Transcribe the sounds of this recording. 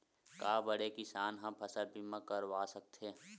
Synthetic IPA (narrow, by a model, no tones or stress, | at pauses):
kaːbəɽekɪsaːnɦɐmpʰɐsəlpimə̃kəɾwaːsək̚t̪ʰe